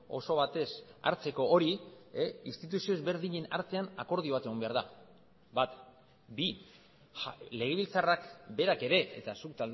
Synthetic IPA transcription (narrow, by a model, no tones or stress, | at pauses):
o̞̰so̞βat̪e̞sa̰ɾt͡se̞ko̞ʔoɾi | inst̪it̪̬usio̞ezβe̞ɾðiɲe̞na̰ɾt̪e̞anako̞ɾð̞ioat̪e̞ɣ̞o̞mbe̞aɾða | bat̪ | bi | le̞ɣe̞β̞ilt͡sarakbe̞ɾake̞ɾe̞ʔḛt̪asukt̪ald̪